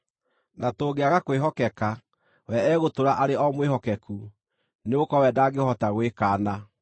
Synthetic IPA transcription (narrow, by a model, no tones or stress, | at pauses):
natoɣeaɣakweɦɔkɛka | wɛɛɣotoɾaʔaɾeɔmweɦɔkɛku | neokɔwɛdaːɡehɔtaɣwekaːna